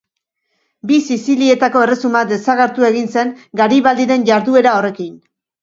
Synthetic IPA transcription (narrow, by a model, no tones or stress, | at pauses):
bisisilie̞t̪ako̞e̞re̞sumad̪e̞saɣeɾt̪ue̞ɣinse̞ŋɡaɾiβald̪iɾe̞nʝaɾðue̞ɾao̞re̞kin